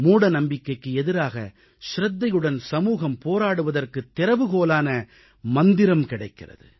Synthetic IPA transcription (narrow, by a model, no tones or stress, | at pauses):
muːɽɐnɐmbɪkːɐɪkːɯɛðɪɾaːɣɐ̰ | ʃɾɐd̪ːɐjɯɽɐnsɐmuːɣɐmpoːɾaːɽɯʋɐðɐrkɯt̪ːɪɾɐʋɯɣoːlaːnɐ | mɐnd̪ɪɾɐmkɪɽɐɪkːɪrɐ̰ðɯ̰